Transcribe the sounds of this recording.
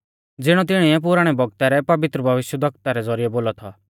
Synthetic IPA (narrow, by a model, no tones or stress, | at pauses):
d͡zɪɽ̃ɔt̪̬ɪɽ̃iɛp̬ʊɾaɽ̃ɛbʱɔɡ̚t̪aɾɛpɐʋɪt̪ɾəbʱɐʋɪʃjəd̪ʱɐk̚t̪aɾɛd͡zɔɾɪjɛboːlɔt̪ʰɔ